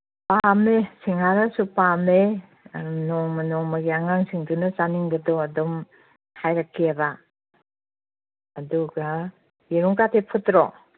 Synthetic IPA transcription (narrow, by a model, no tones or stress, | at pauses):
pamesiŋaɾɐsupame | nɔmɐnɔŋmɐɡiaŋaŋsiŋdunɐt͡ʃaniŋɡɐdoɐdɔm | hajɾakʰːiaba | duɡɐ | jeɾuŋkatʰepʰutɾo